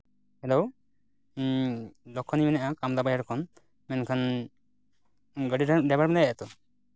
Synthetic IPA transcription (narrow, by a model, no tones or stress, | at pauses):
hɛlɔw | lɔkʰːɔnimɛnaʔakamd̪abajaɾkʰɔn | mɛnkʰan | ɡəɖiɖɛbaɽmɛnajaʔat̪ɔ